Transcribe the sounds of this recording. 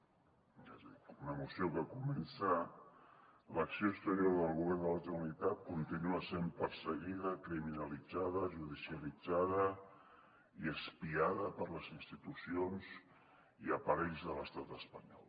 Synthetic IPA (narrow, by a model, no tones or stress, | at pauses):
azunəmusjokəkumensa | ləksijoəkst̪əɾjoɾðəlˠɣuβɛɾnd̪əlat̪əunit̪at̪̚kunt̪inuasempəɾsəɣiðəkɾiminalid͡zaðəʒuðisiəlid͡zaðə | iəspiaðəpəɾləzinst̪it̪usionz | iəpəɾɛʎzðələst̪at̪əspəɲɔ̰lˠ